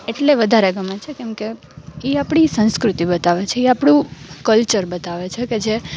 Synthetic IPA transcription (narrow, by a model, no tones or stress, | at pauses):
eʈleʋəd̪ʱaɾeɡəmet͡ʃʰekɛmke | iapɽ̃isə̃nskɾut̪ibət̪aʋet͡ʃʰeiapɽ̃ũkəlt͡ʃəɾbət̪aʋet͡ʃʰeked͡ʒe